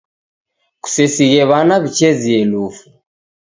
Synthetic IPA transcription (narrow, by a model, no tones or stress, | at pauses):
ku̥sɛsiɣɛβanaβit͡ʃɛziɛlufu